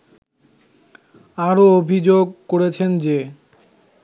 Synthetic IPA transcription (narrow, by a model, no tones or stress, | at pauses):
aɾoobʱid͡ʑoɡ̚koɾet͡ɕʰend͡ʑe